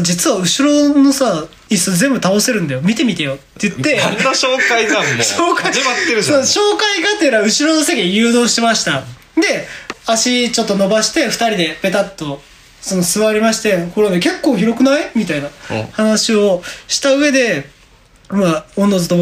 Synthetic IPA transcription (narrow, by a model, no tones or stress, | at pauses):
d͡ʑit͡sɨβaɯ̟ɕiɾo̞no̞sa | isozẽ̞mbɯ̟t̪ao̞se̞ɾɯ̟nd̪ajo̞mʲit̪e̞mʲit̪ejo̞t̪ːejɯt̪ːe̞anːaɕoːkaizaɕoːkaat̪ːeɾɯoɕo̞ːkaiɡat̪eɾaɯ̟ɕiɾo̞no̞sekʲijɯ̟ːd̪o̞ːɕi̥t̪e̞maɕi̥t̪a | d̪e̞aɕit͡ɕo̞t̪ːo̞no̞baɕi̥t̪e̞ɸɯ̟̥t̪aɾʲid̪e̞be̞t̪at̪ːo̞ | so̞no̞sɨβaɾʲimaɕi̥t̪e̞ko̞ɾemeke̞kːo̞ːçiɾo̞kɯ̟naimʲit̪aina̰hanaɕio̞ɕi̥t̪aɯ̟e̞d̪e̞ | maõnːozɨt̪o